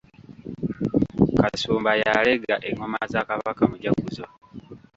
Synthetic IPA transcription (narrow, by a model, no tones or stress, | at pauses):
kasuːmbajaleɡaʔeŋomazaːkaβakamuɟakuzo